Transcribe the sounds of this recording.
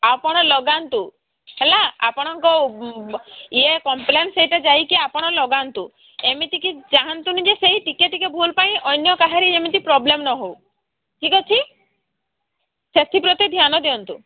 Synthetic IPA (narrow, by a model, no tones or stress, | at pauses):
apɔɽ̃ɔlɔɡant̪u | ɦelaa̰pɔɽ̃ɔŋkɔ | iekɔmplenseɦiʈad͡ʒajkiapɔɽ̃ɔlɔɡant̪u | emit̪ikid͡ʒaɦant̪unid͡ʒeseɦiʈikeʈikebʱulpaĩʔɔjnjɔkaɦaɾiemit̪ipɾɔblemnɔɦow | ʈʰikɔt͡ʃʰi | set̪ʰipɾɔt̪id̪ʱjanɔd̪iɔnt̪u